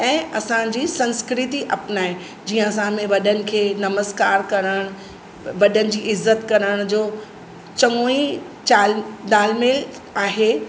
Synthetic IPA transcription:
ɛ̃ːɐsãd͡ʑiːsɐ̃nskɾɪt̪iʔɐpnaːɦe | d͡ʑiːə̃ɐs̬ãmẽʋɐɗənɪ̆kʰeːnɐməskaːɾkɐɾəɽ̃ | ʋɐɗənɪ̆d͡ʑiːɪzːət̪kɐɾəɽ̃d͡ʑoː | t͡ɕɐŋoi | t͡ɕaːld̪aːlmeːl | aːɦe

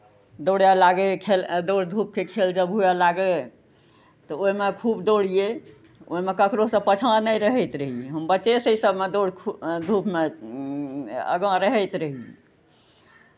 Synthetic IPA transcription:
d̪oɽjalaɡekʰeld̪oɽd̪ʱup̚kekʰeld͡ʒəbɦujalaɡe | t̪ɔoɦmekʰubd̪oɽ̤ie | o̰ɦimekəkɾosə̃pət͡ʃʰnəjɾəɦɛjt̪ɾəɦieɦəmbətːt͡ʃesəsəbʱmed̪oɽd̪ʱupme | ə̰ɡə̃ɾəɦɛjt̪ɾəɦie

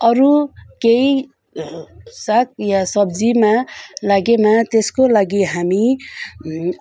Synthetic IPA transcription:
ʌɾukei | sak̚ʰjasʌbd͡zimalaɡemat̪eskolaɡiɦami

